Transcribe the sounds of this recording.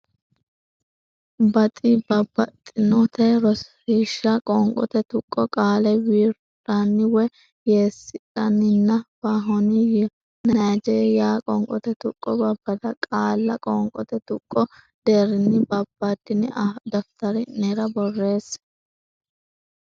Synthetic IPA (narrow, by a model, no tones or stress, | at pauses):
bɐt̪ʼɪbɐbːɐt̪ʼːɪnɔt̪ɛɾɔs | iʃːɐkʼɔŋkʼɔ̰t̪ɛt̪ʊkʼːɔkʼaːlɛwiːɾ | ᶑɐnːɪwɛ | jeːsːɪᶑɐnːɪnːɐbaɦɔnɪj | nɐjd͡ʒeːɾɪjaːkʼɔŋkʼɔ̰t̪ɛt̪ʊkʼːɔbɐbːɐd̪ɐkʼaːlːɐkʼɔŋkʼɔt̪ɛt̪ʊkʼːɔ | d̪̥eːɾɪnːɪbɐbːɐd̪ɪnɪɐd̪ɐft̪ɐɾɪneɾɐbɔrːe̞ːs